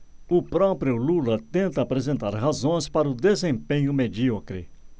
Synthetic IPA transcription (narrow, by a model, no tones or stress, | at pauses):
ʊpɾɔpɾjʊlulɐt̪ẽnt̪ɐapɾezẽnt̪aɾɦazõj̃spaɾɐʊd̪ezẽpẽɲʊmed͡ʒiɔkɾɪ̰